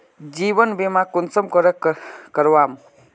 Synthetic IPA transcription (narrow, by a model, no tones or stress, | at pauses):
d͡ʒibʌnbemakunsʌmkɔɾʌkʌɾwam